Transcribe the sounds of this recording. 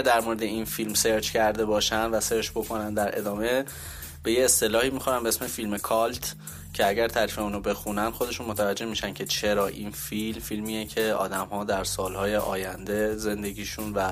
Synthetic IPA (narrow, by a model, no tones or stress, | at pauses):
æɾd̪æɾmoɾed̪e̞infilmse̞ɾt͡ʃcʰæɾd̪e̞bɒːʃænd̪væse̞ɾt͡ʃb̥o̞kʰo̞nænd̪æɾʔe̞̰d̪ɒːme̞ | b̥e̞jeːst̪e̞lɒːhiːmixoɾæmbeesme̞filmekʰɒlt̪ʰ | cʰe̞æɟæɾt̪ʰæɾifeuːnobe̞xunænd̪xod̪e̞ʃunmo̞t̪ʰævæd͡ʒːe̞hmiʃæn̥cʰe̞t͡ʃʰe̞ɾɒːʔinfilmfilmiːecʰe̞ɒ̰ːd̪æmhɒːd̪æɾsɒːlhɒːje̞ʔɒ̰ːjænd̪e̞ze̞nd̪e̞ɡiːʃunvæ